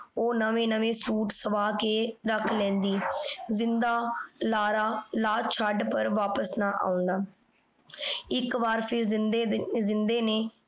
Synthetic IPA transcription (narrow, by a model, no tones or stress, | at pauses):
oːnəʋẽːnəʋẽːsuːʈsəʋaːkeːɾəkʰlɛ̃ːnd̪iːzɪnd̪aːlaːɾaːlaːt͡ʃʰaɖpəɾʋaːpəsnaːʔa̰ːʊ̃nd̪aː | ɪkʋaːɾpʰɪɾzɪeːzɪnd̪eːneː